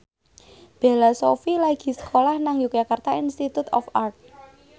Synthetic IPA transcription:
b̥e̤lasofilaɡ̥i̤sə̥kʰolahnaŋjukjakart̪ainst̪it̪ut̪ɔ̰fart̪̚

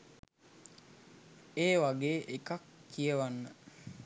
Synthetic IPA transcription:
eːwaɡeːʔekakːiəwanːə

